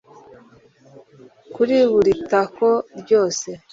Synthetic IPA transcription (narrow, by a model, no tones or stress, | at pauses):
kuɾiβuɾitakoɾɟo̞ːse̞